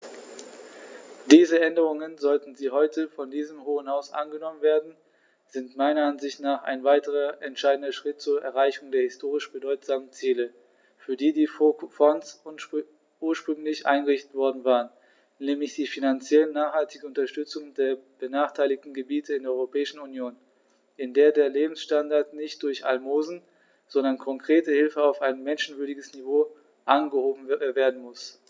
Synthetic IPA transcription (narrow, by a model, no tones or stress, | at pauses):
d̥iːzəʔɛndəʁ̞ʊŋənzɔltn̩ziːɦɔʏtʰəfɔndiːzəmɦoːənhaʊsʔa̰nɡənɔmənveːɐdn̩ | z̥ɪntmaɪnɐanzɪçtnaːχʔa̰ɪnvaɪtəʁ̞ɐʔɛntʃaɪdn̩dɐʃʁ̥ɪt̚t͡suːɐʔɛɐʁaɪçʊŋdeːɐhɪstʰoːʁ̞ɪʃb̥ədɔʏtz̥aːmənt͡siːlə | fyːɐdiːdiːfɔns | ʔuːɐʃpʁ̥ʏŋlɪçʔa̰ɪnɡəʁɪçtətv̥ɔɐdn̩vaːʁən | nɛːmlɪçd̥iːfinant͡sjɛlənːaːχhaltɪɡəʊntɐʃtʏt͡sʊŋdeːɐb̥ənaːχtʰaɪlɪçtn̩ɡəbiːtʰəɪndeɐɔʏʁopʰɛːɪʃn̩unjoːn | ʔɪndeːɐdeːɐleːbm̩sʃtandaɐtnɪçt̚d̥ʊɐçʔa̰lmoːzn̩ | z̥ɔndɐnkʰɔŋkʁ̥eːtəhɪlfəaʊfaɪnmɛnʃn̩vʏɐdɪɡəsnivoː | ʔanɡəhoːbm̩veːɐdn̩mʊs